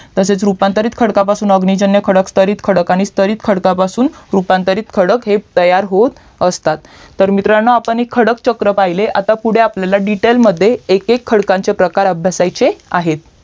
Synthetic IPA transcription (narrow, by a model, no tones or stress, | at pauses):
t̪əset͡sɾupant̪əɾiːt̪kʰəɽkapasuːnəɡɳid͡ʑənjəkʰəɽəkst̪əɾiːt̪kʰəɽəkaɽ̃ist̪əɾiːt̪kʰəɽkapasuːnɾupant̪əɾiːt̪kʰəɽəkɦet̪əjaɾɦot̪ | əst̪at̪ːəɾmit̪ɾanːəapəɳekʰːəɽəkt͡ɕəkɾəpaileʔat̪apuɽ̤eapljalaɖiʈelməd̪ʱːjeːkekʰːəɽkãɲt͡sepɾəkaɾəbʱjasajt͡sea̰ɦet̪̚